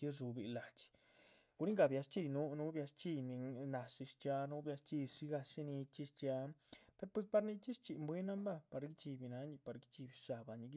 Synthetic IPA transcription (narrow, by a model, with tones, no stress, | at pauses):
i˦ʐu˧bi˨la˨t͡ʃi̥˧ | ɡ̥u˧ɾi˦ŋɡa˧˨bja˧st͡ʃi˧jnu˦nu˦bja˧st͡ʃi˧jni˧na˧ʂi˧ʂt͡ʃja˧nu˦bja˧st͡ʃi˧ʂi˦ɡa˧ʃi˦ni˧t͡ʃi˧˦ʂt͡ʃa˧pe˧ɾpwe˧spa˧ɾni˧t͡ʃi˦ʂt͡ʃi˨mbwe˦na˦mba˦pa˧ɾɡi˦t͡ʃi˧bi˧na˧˦ɲi˧pa˧ɾɡi˦t͡ʃi˧bi˧ʃa˨ba˨ɲi˧ɡi˦